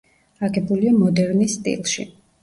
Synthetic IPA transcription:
aɡɛbuliamɔd̪ɛɾnist̪ʼḭlˠʃḭ

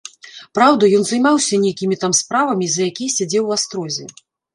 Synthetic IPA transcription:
pɾawd̪ɐjɔnzɐjmawsʲɐnʲejkʲimʲit̪amspɾavɐmʲizɐjakʲijsʲad͡zʲɛwast̪ɾɔzʲɛ̰

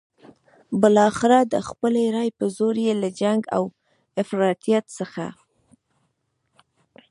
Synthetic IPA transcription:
bɪlɑxɪɾɑd̪əxpəleɾɑjpəzoɾjelad͡ʒaŋɡa̰w | ɪfɾɑt̪ijat̪səxa̰

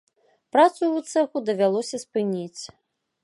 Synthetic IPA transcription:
pɾat̪suut̪sɛxud̪ɐvʲalˠɔsʲɐspɨnʲit͡sʲ

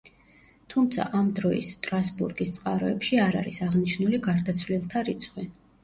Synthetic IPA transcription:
t̪ʰumt̪sʰa̰ʔamd̪ɾɔḭst̪ʼɾasbuɾɡist̪sʼqʼaɾɔɛpʃiaɾa̰ɾisaʁniʃnuliɡaɾd̪at̪sʰvlilˠt̪ʰaɾit̪sʰχwi

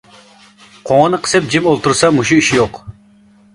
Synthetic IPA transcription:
qʰoŋənɨqʰə̥sɨp̚d͡ʒipolˠt̪uɾsɑmuʃuiʃijoq

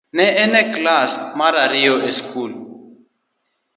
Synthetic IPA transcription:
nɛɛnɛklasmaɾaɾioʔeskul

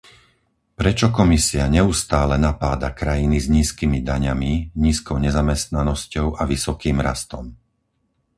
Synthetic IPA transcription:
pɾɛt͡ʃɔkɔmisiaɲɛust̪aːlɛnapaːd̪akɾajinizɲiːskimid̪aɲamiɲiːskɔʊɲɛzamɛst̪nanɔscɔʊʔaʋisɔkiːmɾast̪ɔm

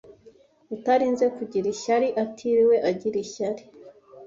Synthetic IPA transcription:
utaɾinzekuɟiɾiçaɾiʔatʰiɾiwe̞ʔaɟiɾiʃaɾi

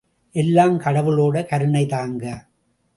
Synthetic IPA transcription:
ʔɛlːaːmkɐɽɐʋɯloːɽɐkɐɾɯɳɐɪt̪aːŋɡɐ

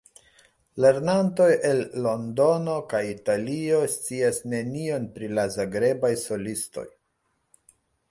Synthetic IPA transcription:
le̞ɾnanto̞je̞lːo̞ndo̞no̞kajitalio̞st͡siasne̞nio̞npɾilazaɡɾe̞bajso̞listo̞̰j

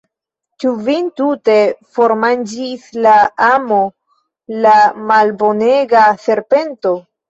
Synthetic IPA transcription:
t͡ʃuvintute̞fo̞ɾmand͡ʒislaamo | lamalbo̞ne̞ɡase̞ɾpe̞nto̞

